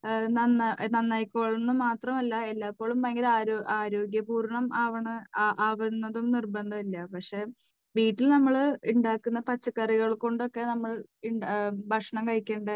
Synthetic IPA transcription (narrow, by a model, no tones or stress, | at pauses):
nɐnːnɐnːɐjkːo̞ːɭunːɨmaːt̪rɐmɐlːɐelːaːpːo̞ːɭumpɐjɐŋɡilaːɾʔaːɾo̞ːɡjɐpuːɾɳɐmaːʋɐɳɨʔaːʋɐɾunːɐðumnirbɐnd̪ʱɐmilːɐpɐkʂe̞ː | ʋiːʈːilnɐmːɐɭiɳɖaːkːunːɐpɐt͡ɕːɐkːɐriɣɐɭko̞ɳɖo̞kːe̞nɐmːɐɭiɳɖbʱɐkʂɐɳɐmkɐɻikʲːeːɳɖɨ